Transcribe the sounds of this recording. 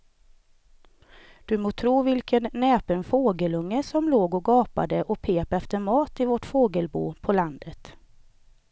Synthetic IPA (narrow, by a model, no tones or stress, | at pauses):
d̪̥ɵmoːt̪ʰɾuːvɪlkənːɛːpənfoːɡəlɵŋːəsɔmloːɡɔɡɑːpa̰d̪əʔɔpʰeːpɛft̪əɾmɑːt̪ɪvɔʈfoːɡəlbṵːpʰɔland̪ət̪